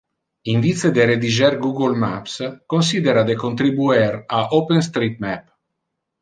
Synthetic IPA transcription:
iɱvit̪sed̪eɾed̪id͡ʒɛrɡuɡolma̰pskons̬id̪eɾad̪ekont̪ɾibuɛraʔopenst̪ɾit̪̚mɛp

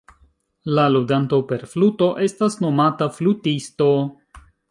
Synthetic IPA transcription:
laludantope̞ɾfluto̞ʔe̞stasno̞mataflutisto̞

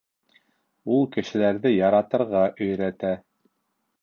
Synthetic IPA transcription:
ulˠkɘ̆ʃɘ̆læɾðɘjɑɾɑt̪ɤ̆ɾʁɑʔɵ̆jɾæt̪æ

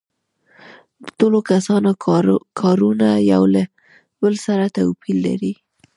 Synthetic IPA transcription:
d̪ət̪olokasɑnokʰɑɾunaja̰wla | bəlsaɾat̪awpilːa̰ɾi

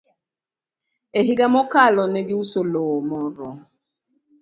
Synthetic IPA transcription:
eɦiɡamɔkalɔnɛɡiusolɔːmɔɾɔ

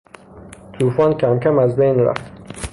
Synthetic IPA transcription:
t̪ʰuːfɒːncʰæmcʰæmæzbejnɾæ̰ft̪

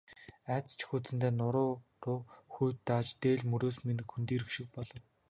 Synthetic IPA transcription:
æt͡st͡ɕʰxut͡sɘ̆nt̪eːnʊɾʊːrʊːxujt̪ːaːt͡ɕt̪eːɮmɵɾoːsminɘ̆kxunt̪iːɾɵxʃɪ̆k̚pɔɮɞ̆w

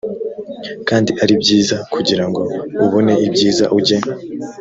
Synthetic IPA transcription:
kaːndiʔaɾibɟiːzakʰuɟiɾaŋɡo̞uβo̞ne̞ʔibɟiːza̰ʔuɟe

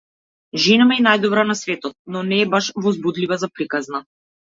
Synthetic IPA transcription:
ʒinamɛɛnajd̪ɔbɾanasvɛt̪ɔt̪̚nɔnɛːbaʃvɔzbud̪livazapɾikazna

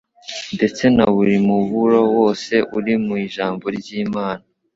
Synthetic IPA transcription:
nde̞t͡se̞naβuɾimuβuɾo̞wo̞ːse̞ʔuɾimuiːʒaːmbo̞ɾɟiːmaːna

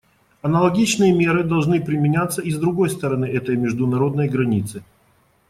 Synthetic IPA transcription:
ɐnəlˠɐɡʲit͡ɕnɨjəmʲe̞ɾɨd̪ɐlˠʐnɨpɾʲɪmʲɪnʲat̪sːəizd̪ɾʊɡo̞jst̪əɾɐnɨɛt̪əjmʲɪʐd̪ʊnɐɾo̞d̪nəjɡɾɐnʲit̪sɨ

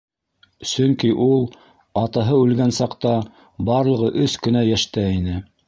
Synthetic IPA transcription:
sɵŋkiʔulˠ | ɑt̪ɑɦɤʉlɡænsɑqt̪ɑ | bɑɾlˠɤ̆ʁɤʔɵskɵ̆næjæʃt̪æinɘ

